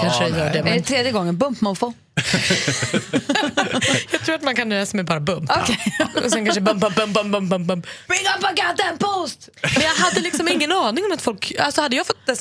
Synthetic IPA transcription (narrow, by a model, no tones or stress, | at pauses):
kʰanʂɛjœːɖɛɛɛt̪ʰɾeːd̪jəɡɔŋːənbɵmpmanfo | jɑːɡt̪ʰɾuːɾat̪mankʰanlɛːsamɛjbɑːɾabɵmpkʰɛɔs̬ɛnkʰaɳʂəɛbɵmpbɵmbɵmpbɵmpbmpbɵmbɵmpb̥ɾɪŋʌpəɡat̪̚ɛnpʰost̪ | mɛnjɑːɡɦad̪ːəlɪksɔmɪŋːənɑːnɪŋɔmat̪fɔlka̰lsɔhad̪ːəjɑːɡfɔt̪̚ːd̪ɛs